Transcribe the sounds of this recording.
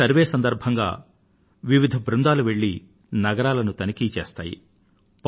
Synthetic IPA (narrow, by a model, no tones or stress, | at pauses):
ɐɾʋeːsɐnd̪ɐɾbʱɐŋɡa̰ː | ʋiʋid̪ʱɐbʱɾund̪aːluʋe̞ɭːi | nɐɡɐɾaːlɐnut̪ɐnikiːt͡ʃḛːst̪a̰ːjḭ | p